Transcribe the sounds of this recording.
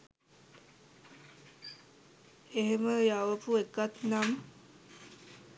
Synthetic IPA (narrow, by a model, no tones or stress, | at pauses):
eɦeməjaʋəpuekat̪nam